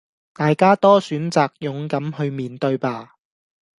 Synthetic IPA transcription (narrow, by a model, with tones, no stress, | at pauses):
t̪aː˨jkaː˥t̪ɔː˥syː˨˥nt͡saː˨k̚jʊ˨ŋkɐ˨˥mhɵ˧ɥmiː˨nt̪ɵ˧ɥpaː˧